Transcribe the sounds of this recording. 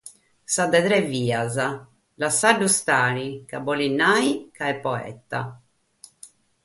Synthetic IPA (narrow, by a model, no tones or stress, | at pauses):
sad̪ɛt̪ɾɛviːaza | lasaɖːust̪aːɾikabɔlinːaːikaɛpːɔɛ̰t̪ːa̰